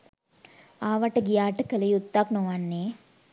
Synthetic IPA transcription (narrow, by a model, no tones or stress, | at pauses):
aːʋaʈəɡijaːʈəkəlɐjut̪ːaknoʋanːeː